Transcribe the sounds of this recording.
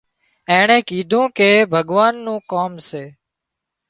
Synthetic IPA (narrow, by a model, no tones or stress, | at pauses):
ẽːɳẽːkiːd̪ʱũːkeːbʱəɠʋaːnːũːkoːmseː